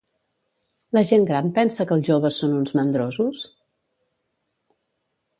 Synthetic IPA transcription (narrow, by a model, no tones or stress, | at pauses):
ləʒeŋɡɾampɛnsəkəlˠʒoβ̞əsːonunzmənd̪ɾozus